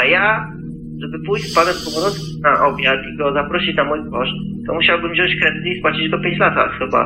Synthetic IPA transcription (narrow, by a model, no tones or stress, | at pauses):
aja | ʐɛbɘpujɕpad̪ɛmpɔmɾɔt̪kinaʔɔbʲjat̪iɡɔzapɾɔɕit͡ɕnamujd̪vɔʂt̪ɔmuɕawbɘmʑɔ̃w̃ɕt͡ɕkɾɛd̪ɪt̪ɨispwat͡ɕid͡ʑd̪ɔpʲeɲt͡ɕlat̪a̰xɘba̰